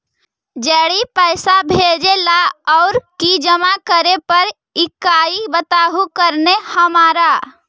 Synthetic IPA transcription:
d͡ʒɛːɽipəɪsabʱed͡ʒelaɔʊɾkid͡ʒəmakəɾepəɾ | ikaibət̪aɦukəɾnehəmaɾa

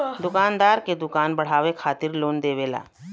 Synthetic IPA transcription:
d̪ʊkaːnd̪aːɾked̪ʊkaːnbɐɽ̤aːʋekʰaːt̪ɪɾloːnd̪eːʋeːla̰ː

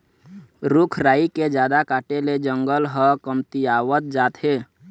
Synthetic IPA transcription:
ɾʊkʰɾaːiked͡ʒjaːd̪akaːʈeled͡ʒə̃ŋɡəlɦəkəmt̪iaːwət̪̚d͡ʒaːt̪ɦeː

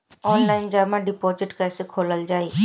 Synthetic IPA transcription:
ɔːnlaːɪnd͡ʒaːmãɖɪpoːzɪʈkɛːsekʰoːləld͡ʒaːiː

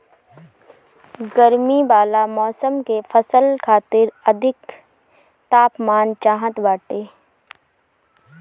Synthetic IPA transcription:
ɡəɾmibaːlamɔːsəmkefʰəsəlkʰaːt̪ɪɾəd̪ʱɪk | t̪aːpmaːnt͡ʃaːɦə̃t̪baːʈeː

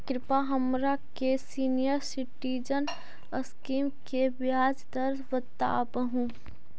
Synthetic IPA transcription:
kɾɪpaɦəmɾakesiːnijəɾsiʈid͡ʒən | əskiːmkebjaːd͡ʒd̪əɾbət̪a̰bəɦũ

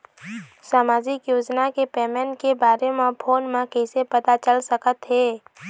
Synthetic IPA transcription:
saːmaːd͡ʒɪkjoːd͡ʒnakepɛːmɛ̃ːɳʈkebaːɾemẽpʰoːnmẽkɛɪsepɐt̪at͡ʃəlsəkət̪ɦɛː

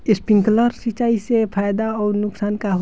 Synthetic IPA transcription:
ispiŋkləɾsit͡ʃaisepʰajd̪aɔːɾnʊksankaɦ

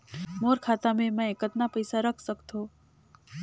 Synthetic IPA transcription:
moɾkʰat̪amẽmə̃ekət̪napəjsaɾəkʰsəkt̪ʰo

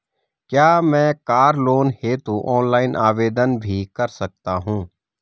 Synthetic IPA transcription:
kjaːmɛ̃ːkaːɾloːnheːt̪uʔɔːnlaːɪnʔaːʋeːd̪ənbʱikɐɾsɐk̚t̪aɦũː

